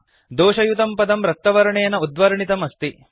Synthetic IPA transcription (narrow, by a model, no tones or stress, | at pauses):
d̪oːʂɐjut̪ɐmpɐd̪ɐmɾɐk̚t̪ːɐʋɐɾɐɳejɐnɐud̪ʋɐɾɐɳit̪ɐmɐst̪i